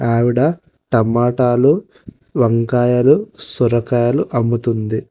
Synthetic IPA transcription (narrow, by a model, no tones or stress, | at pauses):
aːʋiɽɐ | ʈɐmaːʈaːlu | ʋɐŋkaːjɐlusuɾɐkaːjɐluʔɐmːut̪und̪i